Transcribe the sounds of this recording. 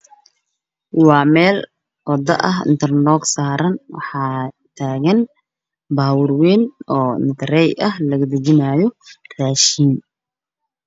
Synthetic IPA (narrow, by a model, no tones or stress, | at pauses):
wɑːmɛːl | wɑd̪ɐʔɐɦɪ̰nt̪ʰɐrnɔːɡsaːɾɐnwɑ̰ħɑː | t̪ʰaːɣɐn | baːwʊrwɛːnɔːɪ̰nt̪ʰɐɾɛjʔɐhlɐɣɐd̪ɐt͡ʃɪnaːjɔraːʃiːm